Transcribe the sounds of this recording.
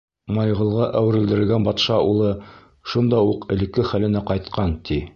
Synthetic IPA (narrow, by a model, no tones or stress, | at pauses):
mɑjʁɤ̆lˠʁɑʔæwɘ̆ɾɘ̆ld̪ɘ̆ɾɘ̆lɡænbɑt̪ʃɑulˠɤ | ʃund̪ɑuqɘ̆lɘ̆kːɘχælɘ̆næqɑjt̪qʰɑnt̪i